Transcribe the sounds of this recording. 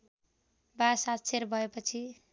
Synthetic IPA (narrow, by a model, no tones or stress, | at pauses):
basat̪sʰeɾbʱʌepʌt͡sʰi